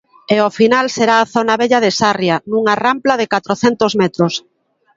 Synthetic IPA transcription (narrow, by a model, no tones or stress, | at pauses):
eofinalseɾaːθonaβeʎaðesarjanuŋaramplaðekat̪ɾoθɛnt̪ozmɛt̪ɾos